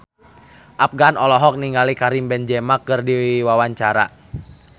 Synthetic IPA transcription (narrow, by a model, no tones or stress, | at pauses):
ʔap̚ɡanɔlɔɦɔk̚niŋɡalikaɾimbɛnd͡ʒɛmakɨrdiwiwawaɲt͡ʃaɾa̰